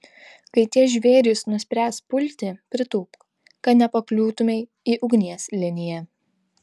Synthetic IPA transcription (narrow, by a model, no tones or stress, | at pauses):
kɐɪt̪ʲiɛʒʲʋʲeːɾʲɪsnʊsʲpʲɾʲæːspʊlʲt̪ʲipʲɾʲɪt̪uːk | kɐt̪nʲɛpɐklʲuːt̪ʊmʲɛɪ | iːʔʊɡnʲiɛslʲɪnʲɪjɛ